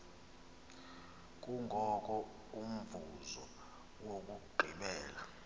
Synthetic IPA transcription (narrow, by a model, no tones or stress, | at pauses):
k̬ʼuŋɡʱɔk̬ʼɔ | um̩vuzɔ | wok̬ʼuɡ͡ǃʱiɓɛːla